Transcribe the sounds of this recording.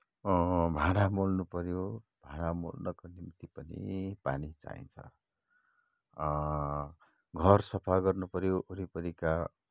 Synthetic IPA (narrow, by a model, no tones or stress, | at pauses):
bʱaɽ̃amolnupʌɾjo | b̥ʱaɽ̃amo̰lnʌkonimt̪ipʌnḭpa̰nit͡sa̰ḭnt͡sʰʌ̰ | ɡʱʌrsʌpʰaɡʌrnupʌɾjoʔoɾipʌɾika